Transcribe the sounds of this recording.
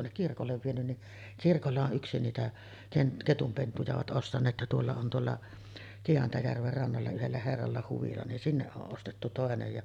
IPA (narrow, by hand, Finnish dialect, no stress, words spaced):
tuonːek kirkolːeʋ ʋienyn ni kirkolːɑ oʔ ʔyksi niːtæ ken ketumpentujɑ oʋɑt ʔostɑnˑeːt jɑ tuolːɑ on tuolːɑ kiɑntɑjærʋer rɑnːɑlːɑ yhelːæ herːɑlːɑ huʋilɑ nin sinːeʔ ʔoʔ ʔostetːu toˑenej jɑ